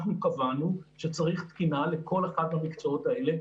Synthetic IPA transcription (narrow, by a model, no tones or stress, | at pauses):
χnukavanuʃe̞t͡saʁiχt̪kinale̞ko̞leχadhamikt͡so̞o̞tae̞le̞